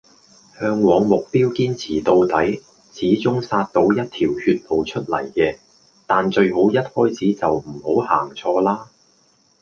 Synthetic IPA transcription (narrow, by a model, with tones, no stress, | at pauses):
hœː˧ŋwɔː˨˧ŋmʊ˨k̚piː˥wkiː˥nt͡sʰiː˨˩t̪o˧wt̪ɐ˨˥j | t͡sʰiː˨˥t͡sʊ˥ŋsaː˧t̚t̪o˨˥wjɐ˥t̚t̪ʰiː˨˩whyː˧t̚po˨wt͡ʃʰɵ˥t̚lɐ̰˨˩jkɛː˧ | t̪aː˨nt͡ʃɵ˧ɥɦo˨˥wjɐ˥t̚hɔː˥jt͡sʰiː˨˥t͡sɐ˨wm̩˨˩ho˨˥wha̰ː˨˩ŋt͡sʰɔː˧laː˥